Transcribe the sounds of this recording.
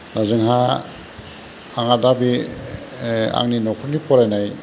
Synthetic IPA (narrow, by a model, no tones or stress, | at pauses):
nazɯŋɦa | ŋadabi | a̰ŋninɔkʰɔɾnipʰɔɾajnaj